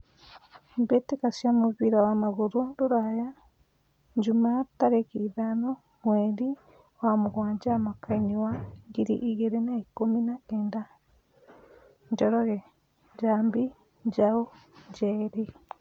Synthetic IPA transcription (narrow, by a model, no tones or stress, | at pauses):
mbetikasjamuβiɾawamaɣuɾuɾuɾaja | ɲd͡ʒumataɾekiðano | mweɾi | owamuɣwaːɲd͡ʒamakainiwaŋɡiɾḭʔiɣeɾenaikominaeːnda | ɲd͡ʒoɾoɣe | ɲɟaːmbi | ɲd͡ʒauɲd͡ʒeɾi